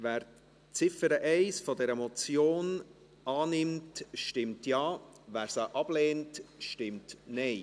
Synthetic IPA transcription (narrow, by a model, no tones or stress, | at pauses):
væːɾ | t͡sɪfəɾəʔɛɪsfɔdɛɾəmɔt͡sjoːn | ɑːnɪmtʃtɪmtjɑːvæːɾsəʔɑb̥leːntʃtɪmtnɛɪ